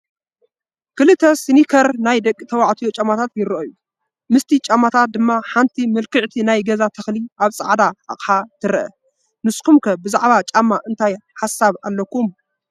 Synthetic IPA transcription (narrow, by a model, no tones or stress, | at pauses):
kɨlɨt̪ʰːɐsinikʰɐɾnajd̪ɐkʼːit̪ʰɐwaʕt̪ʰijot͡ʃʼamat̪ʰat̪jɪɾɨʔoju | mɨst̪ʰit͡ʃʼamːat̪ʰat̪̚d̪ɨmːaħant̪ʰimɨlkʰɨʕt̪ʰinajɡɐzat̪ʰɐxliaβsʼɐʕd̪aa̰χʼħat̪ʰɨɾɐʔɐ̰ | nɨskʰumkʰɐbɨzaʕβat͡ʃʼamːaʔɨnt̪ʰajħasːaβalːɐkum